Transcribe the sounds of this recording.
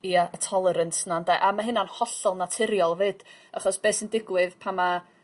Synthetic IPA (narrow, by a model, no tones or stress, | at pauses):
iaʔətʰɔlˠɛɾəntʰnandaʔamaɦɨnanhɔɬɔlˠnatʰɪɾjɔlˠvɨːd̥a̰χɔsb̥eːsəndɪɡwɪðpʰama